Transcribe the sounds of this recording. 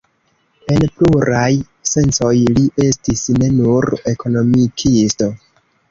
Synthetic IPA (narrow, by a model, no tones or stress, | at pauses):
e̞npluɾaj | se̞nt͡so̞jliʔe̞stisne̞nuɾe̞kʰo̞no̞mikʰisto̞